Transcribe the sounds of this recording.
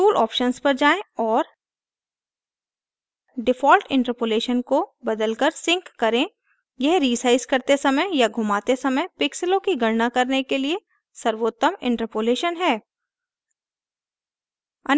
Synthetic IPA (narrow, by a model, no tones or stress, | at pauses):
uːlʔɔ̰ːpʃənspɐɾd͡ʒaːẽɔːɾ | ɖɪfɔːlʈɪ̃ɳʈəɾpoːleːʃənkobɐd̪əlkəɾsɪ̃ŋkːɐɾẽ | jɛɦɾiːsaːɪzkɐɾt̪esɐməjjaɡʱʊmaːt̪esɐməjpɪksɪlõkiɡɐɽnakɐɾnekelie | sɐɾʋoːt̪ːəmɪ̰̃ɳʈəɾpoːleːʃənɦɛː | ɐ